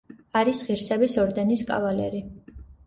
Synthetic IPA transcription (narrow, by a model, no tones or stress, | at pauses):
aɾisʁiɾsɛbisɔɾd̪ɛniskʼa̰valɛ̰ɾi